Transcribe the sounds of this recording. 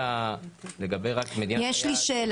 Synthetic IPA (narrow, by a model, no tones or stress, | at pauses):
aleɡabe̞jʁakmed̪injeʃliʃeːl